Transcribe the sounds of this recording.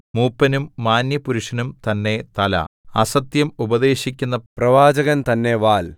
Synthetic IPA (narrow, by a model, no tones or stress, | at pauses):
muːpːɐnumːaːnjɐpuɾuʂɐnumt̪ɐnːe̞t̪ɐlɐ̰ɐsɐt̪jɐmubɐd̪e̞ːɕikʲːunːɐprɐʋaːd͡ʑɐɣɐnt̪ɐnːe̞ʋaːl